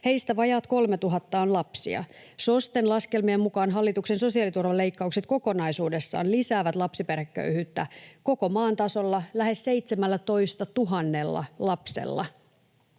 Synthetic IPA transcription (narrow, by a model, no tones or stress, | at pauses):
he̞ist̪æʋɑjɑt̪ko̞lme̞t̪uɦɑt̪ːɑonlɑpsḭɑ̰so̞st̪enlɑske̞lmiemmukɑːnɦɑlːit̪uksenso̞siɑlit̪urʋɑle̞ijkːɑukset̪̚ko̞ko̞nɑisuːde̞sːɑ̰ːnlisæːʋæt̪lɑpsiperækːø̰yhyːt̪ːæko̞ko̞mɑːnt̪ɑso̞lːɑlæhe̞sse̞jt̪semælːæt̪o̞ist̪ɑt̪uɦɑnːe̞lːɑ̰lɑpse̞̰lːɑ̰